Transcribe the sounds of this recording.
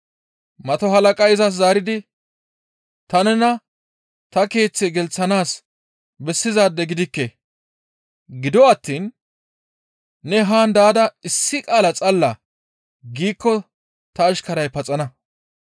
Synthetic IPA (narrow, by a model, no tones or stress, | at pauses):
mɐt̪ɔɦɐlɐkʼɐjɪzɐs̬zaːɾɪd̪ɪ | t̪ɐnɛnɐ | t̪ɐke̞ːt͡sːɛɡɛlt͡sːɐnaːs | bɛsːɪzaːd̪ːɛɡɪd̪ɪkːɛ | ɡɪd̪ɔɐt̪ːiːn | ɛɦaːnd̪aːd̪ɐɪsːɪkʼaːlɐt͡sʼɐlːɐ | ɡiːkːɔ | t̪ɐːʃkɐɾɐjpɐt͡sʼɐnɐ